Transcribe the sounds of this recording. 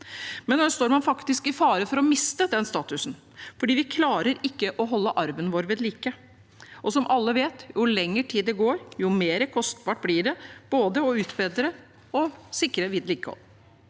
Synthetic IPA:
mɛnd̪ɑst̪oːɾmɑnfɑkt̪ɪskɪfɑːɾəfɔɾɔmɪst̪əd̪ɛnst̪ɑːt̪ʉsn | fɔɖiːʋɪkʰlɑːɾəɾɪkːəʔɔɦɔlːəʔɑɾʋənʋoːɾʋeːd̪liːkə | ʔɔsɔmʔɑlːəʋeːt̪jʊlɛŋːəʈʰiːd̪d̪ɛɡoːɾjʊmeːɾəkʰɔst̪bɑʈ̚blɪːɖɛb̥oːd̪əɔʉːt̪beːd̪ɾə | ɔsɪkːɾəʋɪd̪liːkəhɔ̰lː

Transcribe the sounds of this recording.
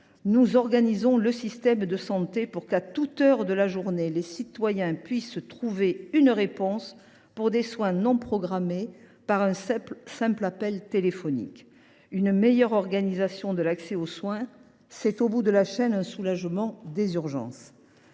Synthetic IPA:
nuzɔʁɡanizɔ̃ləsist̪ɛmd̪əsɑ̃t̪epuʁkat̪ut̪œʁd̪əlaʒuʁnelesit̪wajɛ̃pɥist̪χuveynʁepɔ̃s | puʁd̪eswɛ̃nɔ̃pχɔɡʁamepaʁɛ̃ɛsɛ̃plapɛlt̪elefɔnḭk | ynmejœʁɔʁɡanizasjɔ̃d̪əlaksɛoswɛ̃ | sɛt̪obud̪əlaʃɛnɛ̃sulaʒmɑ̃d̪ezyʁʒɑ̰̃s

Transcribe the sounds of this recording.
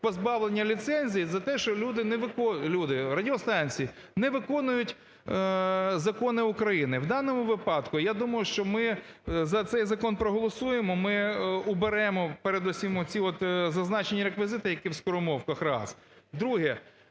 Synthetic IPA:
pɔzbɑʋlˠenʲːɐlʲit̪sɛnʲzʲijizɐt̪ɛʃt͡ʃɔlʲud̪ɪnɛʋɪkɔlʲud̪ɪrɐdʲiɔst̪ɑnʲt͡sʲiji | nɛʋɪkɔnʊjʊtʲ | zɐkɔnɪʊkɾɐjinɪwd̪ɑnɔmʊʋɪpɑd̪kʊjad̪umɐjʊʃt͡ʃɔmɪzɐt̪sɛjzɐkɔnpɾɔɦɔlˠɔsujemɔmɪʊbeɾɛmɔpeɾed̪usʲimɔt͡sʲiɔt̪zɐznɑt͡ʃenʲːiɾekʋʲɪzɪt̪ɪjɐkʲiwskɔɾʊmɔwkɐxrɑ̰s | d̪ɾuɦɛ

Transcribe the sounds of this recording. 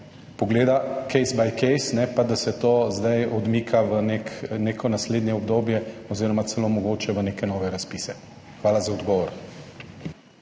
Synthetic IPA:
pɔɡleːd̪akɛjsbajkɛjsnɛpad̪asɛt̪oːzd̪ajɔd̪miːkʰaʋənekneːkʰɔnasled̪njɛɔbd̪oːbjɛɔziːɾɔmat̪sɛlomɔɡoːt͡ʃɛʋəneːkɛnɔːʋɛɾaspiːsɛ | xʋaːlazaɔd̪ɡɔːʋɔɾ

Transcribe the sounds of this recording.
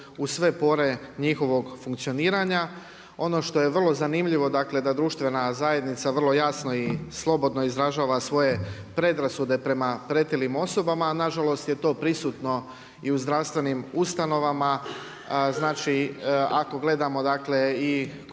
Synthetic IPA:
usʋe̞po̞ɾe̞ɲixo̞ʋo̞ɡfuŋkt̪sio̞niːɾaɲa | o̞no̞ʃt̪o̞je̞ʋr̩lˠo̞zanimʎiʋo̞d̪akle̞d̪ad̪ɾuʃt̪ʋe̞nazaje̞d̪nit̪saʋərlˠojasno̞islˠo̞bo̞d̪no̞izɾaʒaːʋasʋo̞je̞ | pɾe̞d̪ɾasud̪e̞pɾe̞mapɾe̞t̪ilimo̞so̞bamanaʒalo̞st̪jet̪o̞ːpɾisuːt̪no̞ | iuzd̪ɾaʋst̪ʋe̞nimust̪ano̞ʋama | znaːt͡ʃiako̞ɡle̞d̪amo̞d̪akle̞i

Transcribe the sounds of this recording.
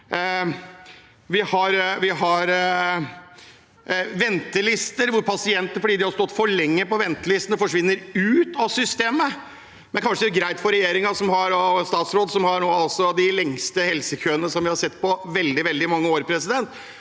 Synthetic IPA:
ʋɪhɑɾʋɪɦɑɾ | ʋɛnt̪əlɪst̪əɾʋʊɾpʰɑsɪɛnt̪əfɔɖiːd̪ɪhɑɾst̪ɔt̪ːfɔɭɛŋːəpɔʋɛnt̪əlɪst̪ənəfɔʂʋɪnːəɾʉːt̪ɑsʏst̪eːmə | mɛnkʰɑnʂəɡɾæɪt̪fɔɾɛjeːɾɪŋɑsɔmɦɑɾɔst̪ɑːt̪sɾoːd̪sɔmhɑɾnoːɑlsɔd̪ɪlɛŋst̪əhɛlsəkʰøːənəsɔmʋɪhɑɾʂɛt̪ːpɔʋɛld̪ɪʋɛld̪ɪmɑŋːəoːɾpʰɾɛsɪd̪ɛnt̪

